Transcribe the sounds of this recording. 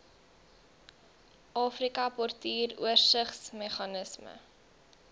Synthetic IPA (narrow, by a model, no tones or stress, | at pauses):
ʔɑːfrikɐpɔrtiːrṵərsəχsmɛχɑnəsmə̰